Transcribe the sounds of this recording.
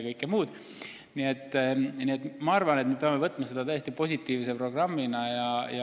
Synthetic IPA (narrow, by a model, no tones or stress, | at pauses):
kɤjkːˑemuːd̪̥ | nie̞t̪ːˑnie̞t̪ːmɑɑrvɑnet̪me̞pe̞ɑmːe̞vɤt̪ːˑmɑse̞d̪̥ɑt̪æje̞st̪ipo̞sʲit̪ːiːvis̬epro̞ɡ̥rɑmːinɑjɑjɑ